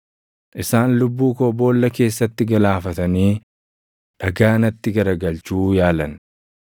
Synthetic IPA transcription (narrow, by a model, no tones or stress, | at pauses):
ʔɪsaːnlʊbːuːkoːbo̞ːlːɐke̞ːsːɐt̪ːɪɡɐlaːfɐt̪ɐniː | ᶑɐɡaːnɐt̪ːɪɡɐɾɐɡɐlt͡ʃuːjaːlɐn